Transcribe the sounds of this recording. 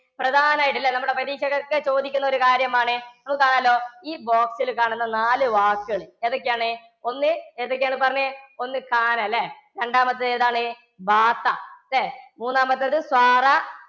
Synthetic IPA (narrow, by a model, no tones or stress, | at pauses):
prɐd̪ʱaːnaːjʈ̬ːilːɐnɐmːuɽepɐðiːɕɐɣɐkːɨt͡ɕo̞ːd̪ikʲːunːɐoɾukaːɾjɐmaːɳɨnɐmukːɨkaːɳaːlːo̞ːiːbo̞ːksilkaːɳunːɐnaːlɨʋaːkːɨɣɐɭɨeðo̞kːejaːɳɨ | o̞nːɨeðok̬ːejaːɳɨpɐrɐɲːɨo̞nːɨkaːnɐlːe | ɾe̞ɳɖaːmɐt̪ːɨɐeːðaːɳɨ | baːt̪ːɐðemuːnːaːmbɐt̪ːɐðɨswaːrɐ